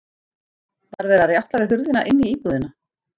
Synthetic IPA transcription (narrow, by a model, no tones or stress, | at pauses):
θaɾvɛːɾaɾjawht̪lavɪðɦʏɾðɪnaʔɪnːiiːpuðɪna